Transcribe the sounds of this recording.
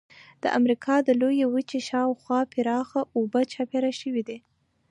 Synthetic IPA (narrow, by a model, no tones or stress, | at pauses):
d̪̥ə̰ʔa̰mɾikʰɑd̪əlojewət͡ʃeʃɑwxwɑpɪɾɑxaʔobət͡ʃɑpeɾaʃəwid̪i